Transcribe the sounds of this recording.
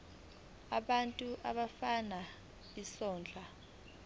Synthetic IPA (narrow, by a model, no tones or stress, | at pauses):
aɓantʼuʔaɓafana | isɔːnd͡ɮʱa